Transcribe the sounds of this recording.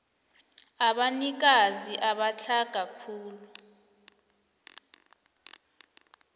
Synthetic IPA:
aɓanik̬aziʔaɓat͡ɬʰaɡ̥ʱakʰuːlu

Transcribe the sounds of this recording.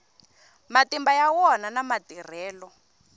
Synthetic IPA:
matimbajawɔnanamatir̤ɛːlɔ

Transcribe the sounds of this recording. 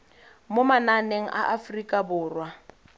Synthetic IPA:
momananeŋ̩ʔa̰ʔafrikʼabʊːrwa

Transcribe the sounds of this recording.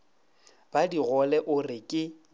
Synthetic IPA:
b̥adiɣɔlɛʔʊrɪkʼɪ

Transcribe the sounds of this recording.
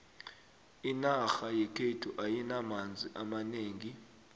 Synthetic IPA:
inaxajɛkʰetʰuʔajinamand͡zʱiʔamaneːŋi

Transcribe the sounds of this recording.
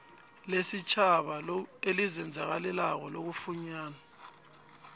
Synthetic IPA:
lesit͡ʃʼʰaɓaelizɛnd͡zʱak̬alɛlak̬ɔlok̬ufuɲaːna

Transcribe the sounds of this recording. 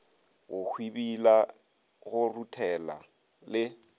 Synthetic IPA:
ɣʊk͡xʰwibila | ɣʊrutʰɛla̰ | lɪ

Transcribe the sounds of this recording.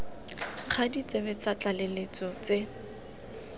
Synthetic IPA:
χʰadit͡sʼebɛt͡sat͡ɬʼalelet͡sɔt͡se

